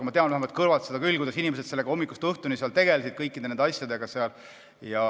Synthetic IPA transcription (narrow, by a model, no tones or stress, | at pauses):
ɑmɑt̪eɑnvæhemvɑt̪̚kɤɾvɑlt̪se̞d̪ɑkylʲːkujd̪ɑsinimes̬ed̪̥se̞lːeɡɑo̞mːikːˑust̪ɤht̪uniseɑlt̪e̞ɡe̞lsid̪̚kɤjkːˑid̪enend̪ɑsʲjɑd̪e̞ɡ̥ɑseɑl | jɑ